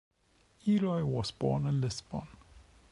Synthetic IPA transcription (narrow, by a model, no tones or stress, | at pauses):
iɾɔjwɔsb̥ɔ̰ːnə̃nlɪsb̥ɔ̰̃n